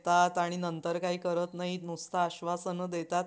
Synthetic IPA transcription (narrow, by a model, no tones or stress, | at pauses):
t̪at̪aɽ̃inənt̪əɾkaɦiːkəɾət̪naɦinust̪ʰaːɕʋasənəd̪et̪at̪̚